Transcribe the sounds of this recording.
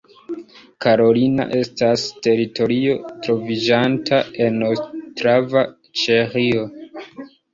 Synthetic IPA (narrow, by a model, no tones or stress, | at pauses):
kaɾo̞lina̰ʔe̞staste̞ɾitʰo̞ɾio̞tɾo̞vid͡ʒantʰae̞nostɾava | t͡ʃeχio